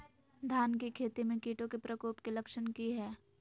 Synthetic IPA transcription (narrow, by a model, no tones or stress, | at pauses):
d̪ʱaːnkikʰeːt̪imẽkiːʈõkepɾəkoːpkilɐkʃənkiɦɛː